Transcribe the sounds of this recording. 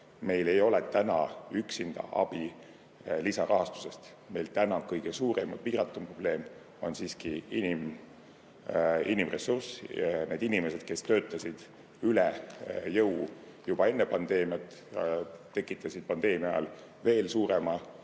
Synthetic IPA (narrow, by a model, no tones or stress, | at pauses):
me̞jle̞jo̞lɛt̪ænɑ̰yksind̪̥ɑ̰ʔɑ̰b̥i | lisɑɾʔɑɦɑst̪u̥se̞st̪ | me̞jlt̪ænɑkɤjɡ̥esuːɾemɑd̪̥piːɾɑt̪ːˑumpro̞b̥le̞ːm | o̞nsiːskiinim | inimre̞sursne̞ːd̪̥inime̞se̞d̪̥̚ke̞st̪ø̞ːt̪ˑːɑsid̪̥ | ylɛjɤwu | jub̥ɑe̞nːepɑnd̪̥e̞ːmijɑt̪ˑ | t̪e̞kːˑit̪ːˑɑsid̪̥̚pɑnd̪̥e̞ːmiɑ̰l | ve̞ːlsuːɾemɑ